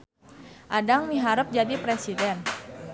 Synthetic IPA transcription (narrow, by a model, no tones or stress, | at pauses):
ʔadaŋmiɦaɾəp̚d͡ʒadipɾesidɛn